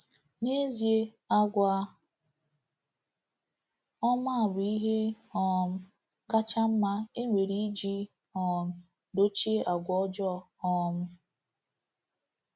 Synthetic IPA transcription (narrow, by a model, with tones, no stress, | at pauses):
ne˦zje˦ | a˦ɡʷa˦ | ɔ˦ma˦a˨bʊ˨i˦ɦe˦ | ɔ˨m̩˦ | ka˦t͡ʃa˦m̩˦ma˦e˦ŋʷe˨ɾi˦i˦d͡ʒi˦ | ɔ˨m̩˦ | do˦t͡ʃe˦ʔa˨ɡʷɔ˦d͡ʒɔ˦ | ɔ˦m̩˦